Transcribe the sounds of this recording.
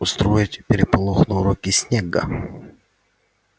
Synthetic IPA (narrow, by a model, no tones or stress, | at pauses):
ʊst̪ɾojɪtʲpʲɪɾʲɪpɐlˠoxnʊɾokʲɪsʲnʲeɡə̰